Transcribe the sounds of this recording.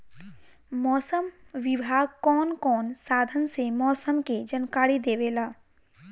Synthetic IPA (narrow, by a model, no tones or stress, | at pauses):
mɔːsəmʋɪbʱaːɡ̚kɔːnkɔːnsaːd̪ʱənsemɔːsəmked͡ʒənkaːɾid̪eːʋeːlaː